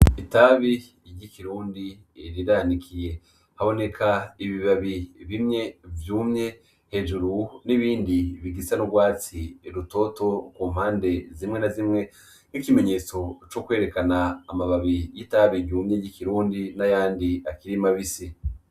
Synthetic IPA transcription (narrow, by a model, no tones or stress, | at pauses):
itaβi | ɟikiɾuːndi | ɾiɾanikʰije̞ | haβo̞ne̞kʰaiβiβaβiβimɲe̞vjuːmɲe̞ | he̞ʒuɾuniβiːndiβiɡisanuɡwaːt͡siɾuto̞to̞kuːmhaːnde̞zimŋe̞nazimŋe̞ | nikime̞ɲe̞ːt͡so̞t͡ʃokwe̞ːɾe̞kanaːmaβaβijitaβiɟuːmɲeɟikiɾuːndinajaːndiakiɾimaβisi